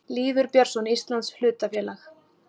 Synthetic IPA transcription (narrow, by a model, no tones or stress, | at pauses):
liːvʏɾpjœɾ̥sɔnist̪lanshlʏːt̪afjɛːlax